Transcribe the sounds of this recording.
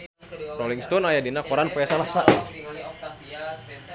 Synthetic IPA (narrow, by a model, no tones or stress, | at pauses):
ɾoliŋst̪ɔnajadinakɔɾanpɔjasalasaʔ